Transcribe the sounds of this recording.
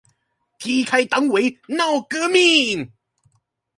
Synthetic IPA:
kiː˧˩kʰa˧jt̪a˨˧˥ŋwe˨˥na˧˩wkɯː˧˥miː˧˩ŋ

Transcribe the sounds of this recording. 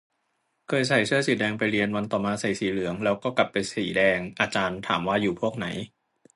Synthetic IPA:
kʰɤː˧jsa˨˩jsɯ˥˩əsiː˨˩˦dɛː˧ŋpa˧jɾi˧ənwa˧nt̪ɔː˨˩maː˧sa˨˩jsiː˨˩˦lɯ˨˩˦əŋlɛː˦˥wkɔː˥˩kla˨˩pːa˧jsiː˩˦dɛː˧ŋʔaː˧t͡ɕaː˧nt̪ʰa̰ː˩˦mwaː˥˩juː˨˩pʰu˥˩ək̚na˩˦j

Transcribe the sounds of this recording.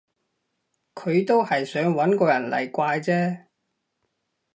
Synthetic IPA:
kʰɵ˨˧ɥt̪o˥whɐ˨jsœː˨˥ŋwɐ˨˥nkɔː˧jɐ˨˩nlɐ̰˨˩jkʷaː˧jt͡sɛː˥

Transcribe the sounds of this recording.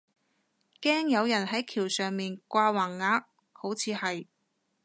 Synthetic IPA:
kɛː˥ŋjɐ˨˧wjɐ˨˩nɦɐ˨˥jkʰiː˨˩wsœː˨ŋmiː˨nkʷaː˧waː˨˩ŋːaː˨˧k̚ | ho˨˥wt͡sʰiː˨˧hɐ˨j

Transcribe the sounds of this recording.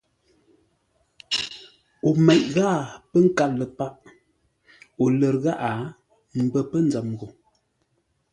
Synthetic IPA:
o˨mɛ˨ʔ̚ɣa˦˨pə˦ŋ̩˦ka˦lə˨pa˦ʔ | o˨lə˨ɾɣa˦ʔa˨˦ | m̩˨bə˦˨pə˦nd͡za˨mɣo˨

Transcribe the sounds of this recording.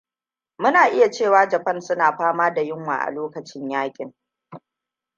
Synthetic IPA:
mʊ˦naː˨ʔɪ˦ja˨t͡ʃeː˦˨waː˦d͡ʒɐ˨ɸɐ˦nsʊ˦naː˨ɸaː˦maː˦da˨jɪ˦ŋwa̰ː˨ʔa̰˨loː˦kɐ˨t͡ʃɪ˦ɲjaː˦kʲʼɪ˨ŋ

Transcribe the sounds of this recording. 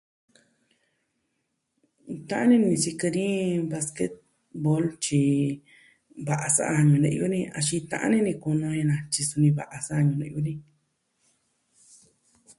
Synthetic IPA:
t̪ã˦ʔã˦nĩ˦nĩ˧si˧kɨ˧ɾĩ˦βa˧ske˦t̪̚ | bo˦lt͡ʃi˧ | βa˧ʔa˧sa̰˦ʔa˧ɲũ˧nḛ̃˧ʔjo˦nĩ˧a˧ʃi˧t̪ã̰˧ʔã̰˦nĩ˦nĩ˧ku˧nõ˧ɲẽ˧nã˧t͡ʃi˧su˧nĩ˧βa˧ʔa˧sa˦a˧ɲũ˧lẽ˧ʔu˦nĩ˧

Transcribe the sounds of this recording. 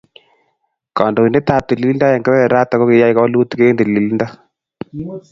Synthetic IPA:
ka˨ndo˨i˨ne˦t̪a˨p̚t̪i˨li˨˦li˦nda˦ja˨ŋɡe˦wɛ˦ɛ˨ɾa˦t̪a˨ko˦ke˨ja˦i˨ka˦lu˦t̪keː˦nde˨li˨li˦nda˦

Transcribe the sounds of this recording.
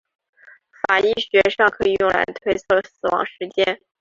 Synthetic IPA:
fa˨˩i˥˩ɕɥɛ˧˥ʂɑ˥˩ŋkʰɤ˧˥i˨˩jʊ˥˩ŋlʔa̰˧˥ɪt̪ʰwe˥ɪt͡sʰɤ˥˩sɹ̩˨˩wɑ̰˧˥ŋʂɻ̩˧˥t͡ɕjɛ˥n

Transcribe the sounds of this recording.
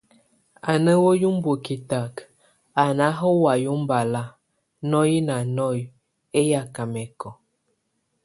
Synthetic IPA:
a˨nə˦wo˦ju˦m˦bo˨ki˨ta˨k | a˨na˨˦ɦɔ˦wa˨ju˦m˦ba˨la˦ | nɔ˦ji˦na˨nɔ˦˨j | e˦ja˦ka˨mɛ˨kɔ˨

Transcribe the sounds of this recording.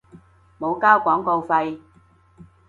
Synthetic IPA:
mo˨˧wkaː˥wkʷɔː˨˥ŋko˧wfɐ˧j

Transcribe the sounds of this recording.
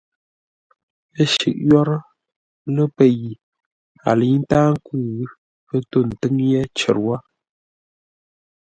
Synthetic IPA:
ə˦ʃḭ˨ʔjɔ˦ɾ | lə˦pə˦˨ji˨ | a̰˨lə˨i˦n̩˦taː˦ŋ˦ku˦˨ɣ | pə˦to˦˨n̩˨tɨ˦ŋjɛ˦t͡ʃə̰˨ɾwa˦

